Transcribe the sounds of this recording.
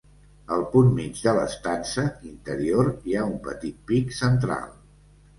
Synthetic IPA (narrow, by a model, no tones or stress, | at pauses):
əlˠpunmid͡ʒðələ̰st̪ansəint̪əɾioɾiaumpə̰t̪it̪̚piksənt̪ɾa̰lˠ